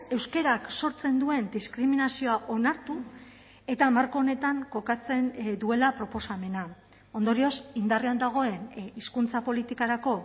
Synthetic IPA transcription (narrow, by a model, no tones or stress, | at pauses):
e̞wske̞ɾakso̞ɾt͡se̞nd̪ue̞nd̪iskɾiminasio̞aʔo̞naɾt̪u | e̞t̪amaɾko̞ne̞t̪aŋko̞kat͡se̞nd̪ue̞lapɾo̞po̞same̞na | o̞nd̪o̞ɾio̞sind̪ariand̪aɣ̞o̞e̞niskunt͡sapo̞lit̪ikaɾako̞